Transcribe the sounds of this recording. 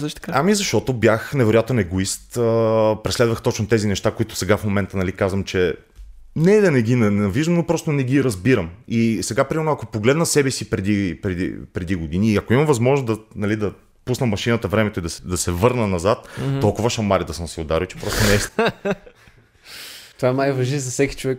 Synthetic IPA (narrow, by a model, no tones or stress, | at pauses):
t̪kaamizɐʃt̪ɔt̪objaxnɛvɛɾojat̪nɛɡʊist̪əpɾɛslɛd̪vəxt̪ɔt͡ʃnot̪ɛzinɛʃt̪akoit̪ʊ̥sɛɡafmomɛnt̪ənɐlikazvɐmt͡ʃɛ | nɛd̪ɐnɛɡʲinɐnɛnɐviʒd̪əmnopɾɔst̪onɛɡiɾɐzbiɾəmisɛɡapɾimɛɾnʊɐkopoɡlɛd̪nəsɛbɛsipɾɛd̪ipɾɛd̪ḭpɾɛd̪iɡod̪iniːɐkoimɐvɐzmɔʒnszd̪ɐnɐlid̪ɐ | pusnəmɐʃinət̪əvɾɛmɛt̪oid̪ɐsɛd̪ɐsɛvɤɾnənɐzat̪ːɔlˠkʊvɐʃɐmaɾʲid̪ɐsəmsɛod̪aɾit͡ʃɛ̥pɾɔst̪onɛs | t̪ovaɛnajvɐʒizɐfsɛki̥t͡ʃovɛk